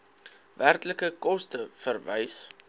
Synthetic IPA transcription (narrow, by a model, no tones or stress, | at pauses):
værtləkəkɔstəfərvəjs